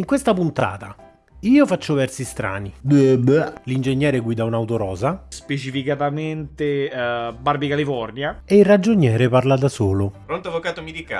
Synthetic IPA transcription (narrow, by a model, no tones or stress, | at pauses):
iŋkwest̪apunt̪a̰ːt̪a | iːofat͡ʃːovɛrsist̪ɾa̰ːnid̪wɛblind͡ʒeɲːɛːɾeɡwiːd̪aunawt̪oɾɔːzaspet͡ʃifikat̪ament̪ebarbikalifɔrnjaeilrad͡ʒoɲjɛːɾeparlad̪asoːlopɾont̪oavːokaːt̪omid̪ika